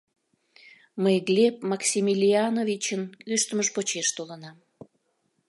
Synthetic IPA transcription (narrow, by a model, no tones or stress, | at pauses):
məjɣlʲep̚mɑksʲimilʲiɑnovit͡ɕənkyʃt̪əməʃpot͡ɕeʃt̪olənɑm